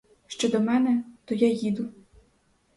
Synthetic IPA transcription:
ʃt͡ʃɔd̪ɔmɛnɛt̪ɔjajid̪ʊ

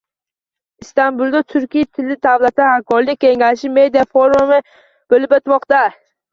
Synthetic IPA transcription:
ɪst̪anbʊlˠd̪at̪ʰʊɾkʲijat̪ʰɪlːɪd̪avlat̪ahakʰɒɾlɪk̚ʲːeŋʲaʃɪme̞d̪ijafoɾumɪ | b̥olɪpot̪mɒqt̪a

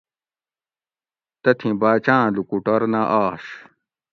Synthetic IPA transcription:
t̪ɐt̪ʰĩbaːt͡ɕãːlukuʈɐɾnaʔaːʂ

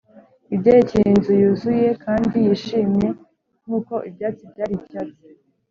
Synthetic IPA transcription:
ibɟajecijenzujuzujekʰaːndijiʃiːmɲe̞ | n̥huːko̞ʔibjaːt͡sibɟaːɾibjat͡si̥

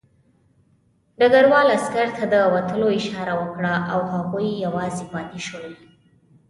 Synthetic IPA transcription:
ɖaɡaɾwɑlaskaɾt̪ʰad̪əwat̪əloɪʃɑɾawəkɽaʔawhaɣujːawɑzebɑt̪eʃəl

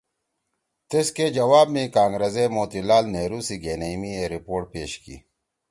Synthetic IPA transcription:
t̪esked͡ʑɐwaːbmĩkãːŋɡɾɐzemoːt̪ilaːlneːɾuːsiɡeːnɐimieɾipoːʈ̚peːɕkḭː

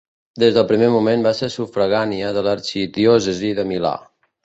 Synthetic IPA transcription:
d̪ezðəlˠpɾimemumembaseɾsufɾəɣaniəðələɾt͡ʃiðiɔzəziðəmila̰

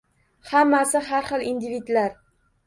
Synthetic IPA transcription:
hamːasɪɦaɾχɨlˠind̪ɪvid̪laɾ

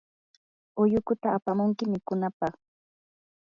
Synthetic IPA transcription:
ʊjʊkʊt̪aːpamʊŋkɪmɪkʊnapɑχ

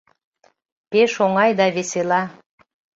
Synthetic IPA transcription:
peʃoŋɑjd̪ɑβeselɑ

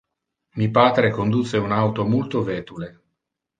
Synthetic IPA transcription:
mipaːt̪ɾekond̪ut̪sːeunawt̪omult̪ovɛːt̪ule

